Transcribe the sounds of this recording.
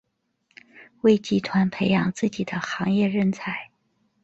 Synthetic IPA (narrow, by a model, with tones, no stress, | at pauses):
we˥˧ɪt͡ɕi˥˩t̪ʰwa˧˥npʰe˧˥ɪjɑ˨˧˩ŋt͡sɹ̩˥˩t͡ɕi˨˩d̪ə˦xɑ˧˥ŋjɛ˥˧ɻə˥˩nt͡sʰa˧˥˦ɪ